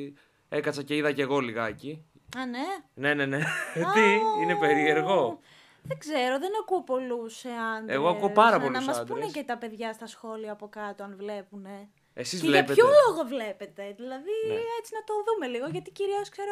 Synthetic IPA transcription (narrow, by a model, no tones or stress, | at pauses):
ekɐt͡sɐce̞iðɐceɣo̞liɣɐci | ɐnene̞ne̞net̪iinepeɾie̞ɾɣo̞ | ðeɡzeɾo̞ðenɐkuopo̞luseɐneɣoɐkuopɐɾɐpolnɐmɐsp̪d̪uɾnecet̪ɐpe̞ðʝɐst̪ɐsxo̞liɐːpo̞kɐt̪oɐnvle̞pune̞ | esizvlepetçoloɣovlepe̞t̪e̞ðilɐðiet͡sinɐt̪o̞ðumeliɣoʝɐt̪iciɾioskseɾo